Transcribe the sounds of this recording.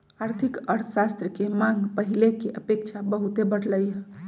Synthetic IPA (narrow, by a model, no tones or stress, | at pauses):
aɾt̪ʰikəɾt̪ʰəsast̪ɾəkemãŋɡpəɦilekeʔəpek̚t͡ʃʰabəɦut̪ebəɽləjɦɛ